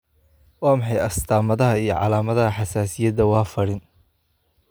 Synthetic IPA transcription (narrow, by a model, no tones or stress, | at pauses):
wɑːmɪħɑjɐst̪ʰaːmɐðɐɦɐijɞʕɑ̰laːmɐðɐɦɐħɑsaːsɪjɐd̪ɐwɑːfɐɽɪn